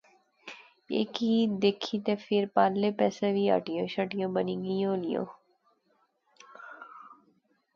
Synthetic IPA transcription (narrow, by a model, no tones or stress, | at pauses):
ḛːkiːd̪eːkʰiːt̪eːfʰɪɾpaːlleːpɛːsẽːʋiːa̰ʈɪjõːʃəʈɪjõːbənĩːɡijõːlɪjõ̰ː